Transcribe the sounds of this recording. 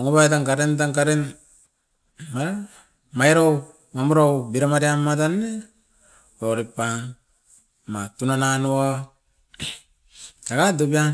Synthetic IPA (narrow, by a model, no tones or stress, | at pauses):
oŋuβajtaŋkaɾentaŋkaɾen | maɾa | majɾow | mamuɾowbiɾamaɾiamːatane | oɾipaŋ | matunananua | taɡadobia